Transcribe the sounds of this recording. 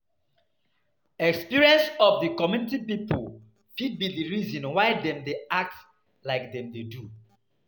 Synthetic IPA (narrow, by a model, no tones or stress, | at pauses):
ɛkspiɹiɛ̃nsɔfdikɔmjunitipipol | fid̚bidiɹizɔ̃nwaɪdɛ̃mdeak̚t | laɪk̚dɛ̃mdedu